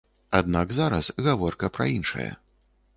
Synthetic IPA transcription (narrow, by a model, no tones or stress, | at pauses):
ad̪̚naɡzaɾɐsɣavɔrkɐpɾɐ̰inʂɐ̰jɐ̰